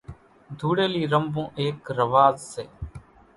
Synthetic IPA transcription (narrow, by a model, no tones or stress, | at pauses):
d̪ʱuːɽeːliːɾəmbõːʔeːkɾəʋaːzseː